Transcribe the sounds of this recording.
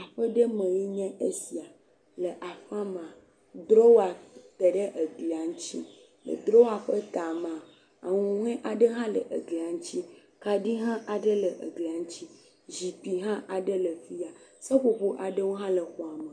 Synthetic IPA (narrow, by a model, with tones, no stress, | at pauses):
a˨ɸə˦ɖə˦mə̃˨je˦ɲɛ̃˦e˦si˨a˨ | lə˨ʔa˨ɸa˦mã˨ | d̪ɾo˦wa˨t̪e˨ɖə˦ʔə˨ɡli˨a˨ŋũ˦t͡ɕḭ˦ | lə̰˨d̪ɾo˦wa˨ɸə˦t̪a˨mã˨ | a̰˨ŋũ˨ŋ˦ɛ̃˦ʔa˨ɖə˦ɦã˦lə̰˨ʔḛ˨ɡli˨a˨ŋ̩˦t͡ɕi˦ | ka˨ɖi˦ɦã˦ʔa˨ɖə˦lə˨ʔə̰˨ɡli˨a˨ŋ̩˦t͡ɕi˦ | zi˨pi˨ɦã˦ʔa˨ɖə˦lə˨fi˦a˨sə˦ɸo˦ɸo˦ʔa˨ɖə˦wo˦ɦã˦lə˨xɔ˨a˨mə˨